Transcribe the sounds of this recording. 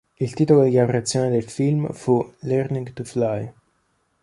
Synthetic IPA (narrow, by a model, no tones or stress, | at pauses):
ilt̪iːt̪olod̪iɡapɾat̪sːjoːned̪elfilmfulɛrniŋɡt̪uflaj